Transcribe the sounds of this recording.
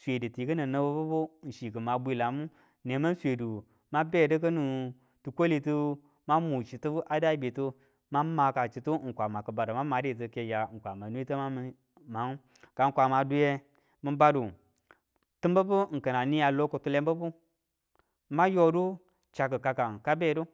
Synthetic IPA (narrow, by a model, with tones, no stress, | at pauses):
sʷe˨dɨ˨ti˨kə˦nə˨nə˨bo˦bu˦bu˦n̩˨ʃi˨kə˨ma˨bʷi˦la˨mu˦ | ne˨ma˦n˦sʷe˨du˨ | ma˦be˦˨də˦k̬ə˦nu˨ | tu˨kʷo˦li˨tɨ˦ | ma˦mu˨t͡ʃi˨tɨ˦bu˦ʔa˨da˦i˦be˨tu˦ | ma˦ma˨ka˨t͡ʃi˨tu˦ŋ̩˨kʷa˨ma˨kə˨ba˨da˨ma˦ma˨˦de˦˨t̬ə˨˦ke˨ja˨ŋ̩˨kʷa˨ma˨nu˦i˦tə˦ma˦mi˨ | ma˨˦ŋ˦ | ka˨ŋ̩˦kʷa˨ma˨du˦je˧ | mə˧ba˦du˨ | tɨ˦mbə˦bu˦ŋ̩˨kə˨na˨ni˦ja˨lo˦ko˨tu˦le˦m˦bə˦bu˦ | ma˦jo˦du˦ | t͡ʃa˨k̬ə˨ka˧ka˨n˨ka˦be˦˨du˦